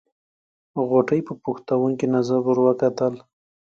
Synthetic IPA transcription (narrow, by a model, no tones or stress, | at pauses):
ɣoʈəjpəpuxt̪awuŋkinazabuɾwəkat̪əl